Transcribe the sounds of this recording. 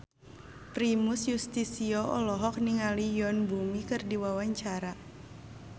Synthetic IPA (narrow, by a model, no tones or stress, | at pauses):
pɾimusjust̪isiɔʔɔlɔɦɔk̚niŋalijɔnbumikɨrdiwawaɲt͡ʃaɾa